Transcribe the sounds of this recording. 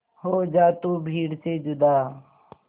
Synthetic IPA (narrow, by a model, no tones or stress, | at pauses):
hoːd͡ʒaːt̪uːbʱiːɽseːd͡ʒʊd̪aː